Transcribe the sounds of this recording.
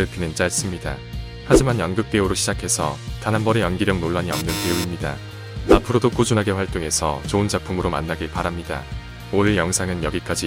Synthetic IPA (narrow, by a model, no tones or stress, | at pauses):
ɯɭpinɯnt͡ɕ͈aes͈ɯmɲida̰ | had͡ʑimanjʌnɡɯk̚t͈e̞uɾoɕʰid͡ʑakʰe̞sʰʌ̰tanɦanbʌɾejʌnɡiɾjʌŋnoɭːaɲiʌmnɯnpeuimɲida̰ | apʰɯɾodok͈ud͡ʑunaɡeɸwaɭt͈oŋe̞sʰʌ̰t͡ɕound͡ʑak̚pʰumɯɾoma̰nːaɡipaɾamɲida̰ | oiɭjʌŋsʰaŋɯnjʌɡik͈ad͡ʑi